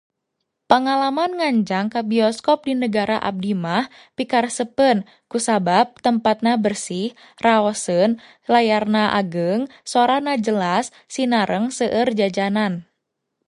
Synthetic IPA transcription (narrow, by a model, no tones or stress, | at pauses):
pəŋalamanŋaɲd͡ʒaŋkabiɔskɔp̚dinəɡaɾa̰ʔa̰b̚dimah | pikarsəpən | kusabap̚t̪əmpat̪̚nabərsih | raɔsən | lajarnaʔa̰ɡəŋsɔɾahnad͡ʒəlasːinaɾəŋsəʔərd͡ʒad͡ʒanan